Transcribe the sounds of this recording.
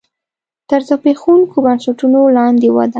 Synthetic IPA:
t̪əɾzapexuŋkʰobansaʈunolɑnd̪ewa̰d̪a

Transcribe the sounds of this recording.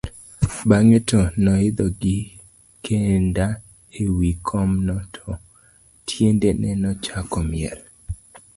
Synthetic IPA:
baŋetɔnɔɪd̪ɔɡɪ | kʰenda | ewikʰɔmnɔtʰɔ | tʰjendenʔɛnɔt͡ʃakɔmɪjɛɾ

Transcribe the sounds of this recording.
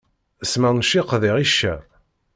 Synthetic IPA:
əsmænʃiqðiʁiʃːæ

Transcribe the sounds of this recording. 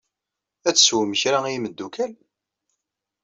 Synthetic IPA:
æt͡sːə̥swəməçɾaiməd̪ːukʰæl

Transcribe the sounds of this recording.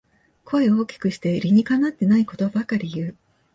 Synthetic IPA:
kʰo̞e̞o̞ːkʲi̥kɯ̟ɕi̥t̪e̞ɾʲiɲ̟ikanːat̪ːe̞naiko̞t̪o̞bakaɾʲijɯ̟ː

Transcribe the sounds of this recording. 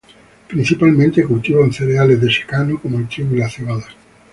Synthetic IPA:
pɾin̟θipalmẽnt̪ekult̪iβonθeɾealezðeʃe̥kanokomoelt̪ɾiβulaθiɣaða

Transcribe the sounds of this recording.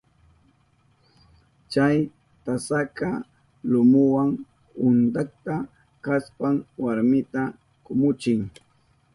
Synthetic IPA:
t͡ʃaj | t̪asaka | lʊmʊwaŋ | ʊnt̪ak̚t̪a | kaspaŋwaɾmɪt̪a | kʊmʊt͡ʃɪŋ

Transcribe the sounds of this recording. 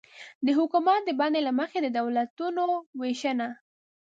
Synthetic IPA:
d̪əɦʊkumat̪̚d̪əbɑnd̪elaməxed̪əd̪awlat̪unoweʃəna

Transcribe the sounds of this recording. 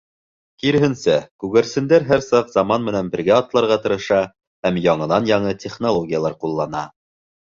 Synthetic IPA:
kiɾ̆ɦɘ̆nsækʉɡæɾsɘ̆nd̪æɾɦæɾsɑqzɑmɑnmɘ̆nænbɘ̆ɾɡæɒt̪lˠɑɾʁɑt̪ɤ̆ɾɤ̆ʃɑ | hæmjɑɴɤ̆nɑnjɑɴɤt̪ʲeχnolˠoɡʲijalˠɑɾqulˠːɑnɑ

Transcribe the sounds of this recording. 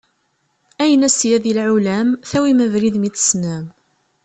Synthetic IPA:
æjənæsjæðilʕulæmθæwiməvɾiðmit͡sːə̥snæm

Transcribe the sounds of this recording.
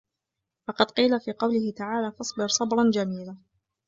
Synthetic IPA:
fɑqɑd̪qiːlafiːqɑwlɪhɪt̪aʕaːlaːfɑsˤbɪɾsˤɑbɾˤɑnd͡ʒamiːla

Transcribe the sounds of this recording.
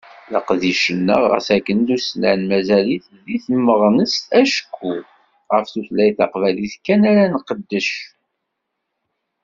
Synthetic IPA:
lə̰qðiʃənːə̰ʁə̰sækːənd̪uslæʕnmæzæliθðiθmːəʁnəst̪æʃkːu | ʁəfθuθlæjθɑqvæliθkːænæɾænqəd̪ːəʃ

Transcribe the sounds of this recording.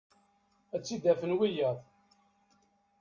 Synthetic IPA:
æt͡sːid̪æfənwijəðˤ

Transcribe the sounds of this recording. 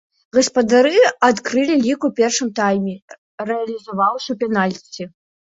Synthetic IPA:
ɣɐspɐd̪aɾɨat̪kɾɨlʲilʲikupʲɛrʂɨmt̪ajmʲɛ | rɛɐlʲizavawʂɐwpʲɛnalʲt͡sʲːi

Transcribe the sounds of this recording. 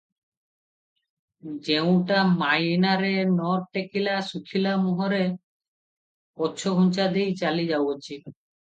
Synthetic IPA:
d͡ʒew̃ʈamajnaɾenɔɾʈekilasukʰilamuɦɔɾe | ɔːt͡ʃʰoɡʱunt͡ʃad̪ejt͡ʃalid͡ʒawot͡ɕʰi

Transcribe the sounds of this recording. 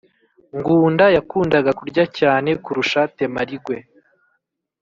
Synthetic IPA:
ŋɡuːndajakuːndaɡakuɾɟacaːne̞kuɾuʃate̞maɾiɡwe̞

